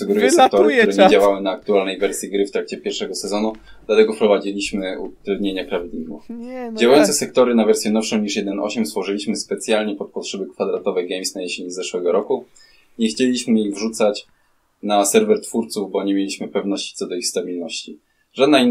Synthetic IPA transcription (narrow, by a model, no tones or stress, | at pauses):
suɡɛɾujɛsɛkt̪ɔɾɪkkɾɛɲed͡ʑawawɘnaːk̚t̪ualnɛjvɛɾsʲjiɡɾɘft̪ɾak̚t͡ɕɛpʲjɛɾfʂɛɡɔsɛzɔnu | d̪lat̪ɛɡɔfpɾɔvad͡ʑilʲiɕmɘṵt̪ɾɛd̪ɲeɲapɾavʲid̪ɲʲiɡufd͡ʑawajɔnt̪ɛsɛk̚t̪ɔɾɘnavɛɾsjɛnɔfʂɔ̃w̃ɲiʂjɛd̪ɛnɔ̰ɕɛmst̪fɔʐɘlʲiɕmɘspɛt̪sʲjalɲɛpɔt̪̚pɔtʂɛbɛkfad̪ɾat̪ɔvɛjɡɛjmsnajeɕeɲizɛʂwɛɡɔɾɔku | ɲɛxt͡ɕelʲiɕmɘiɣvʐut̪sat͡ɕ | nasɛɾvɛɾt̪fuɾt̪suvbɔɲemʲjelʲiɕmɘpɛvn̪ɔɕt͡ɕi̥t̪sɔd̪ɔixst̪abʲilnɔɕt͡ɕi | ʐad̪nai